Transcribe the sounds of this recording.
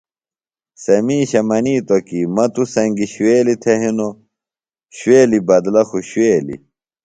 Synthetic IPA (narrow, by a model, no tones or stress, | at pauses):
sɐmiːɕɐmɐniːt̪okimɐt̪usɐŋɡiɕweːlit̪ʰeɦino | ɕweːlibɐd̪lɐxuɕweːlḭ